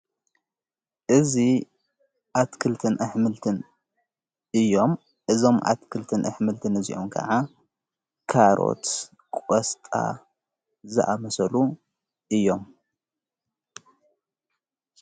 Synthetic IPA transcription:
ʔɨzi | ʔat̪kʰɨlt̪ʰɨnʔɨħmɨlt̪ʰɨn | ʔɨjːo̞m | ʔɨzo̞mʔa̰t̪kʰɨlt̪ʰɨnʔɨħmɨlt̪ʰɨnɨzḭʔomkʰɐ̰ʕa | kʰaɾo̰t̪ | kʼost̪ʼa̰ | zɐ̰ʔamɐsɐlu | ʔɨjːo̞m

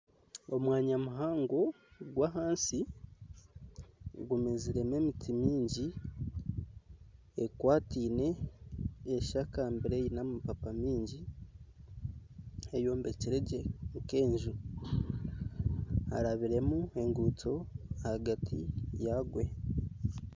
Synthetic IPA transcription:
o̞mwaːɲamuɦaːŋɡo | ɡwaɦaːnsi | ɡumeziɾe̞me̞mitʰimiːɲɟi | ekwaːtiːne̞ː | ʃakaːmbiɾe̞jinamupapamiːɲɟi | ejo̞ːmbe̞ciɾeɟe̞ŋke̞ːɲʒu | a̰ɾaβiɾe̞mue̞ŋɡuto̞haɡatʰḭjaɡwe̞

